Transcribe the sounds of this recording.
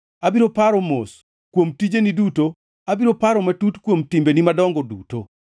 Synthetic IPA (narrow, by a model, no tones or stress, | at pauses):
abiɾopaɾɔmos | kwomtid͡ʒeniduto | abiɾopaɾɔmatutkwomtimbenimadɔŋɡɔduto